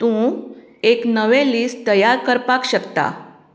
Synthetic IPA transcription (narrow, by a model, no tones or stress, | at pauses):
t̪ũ | eknəʋeliːst̪əjaɾkəɾpakɕəkt̪a̰